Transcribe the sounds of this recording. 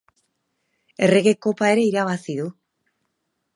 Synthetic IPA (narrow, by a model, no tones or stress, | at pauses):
e̞re̞ɣe̞ko̞pae̞ɾe̞iɾaβ̞asiðu